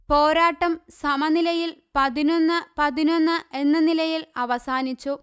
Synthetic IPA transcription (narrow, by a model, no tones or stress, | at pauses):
poːɾaːʈːɐmssɐmɐnilɐjilpɐðino̞nːɨpɐðino̞nːɨe̞nːɐnilɐjilɐʋɐsaːnit͡ɕːu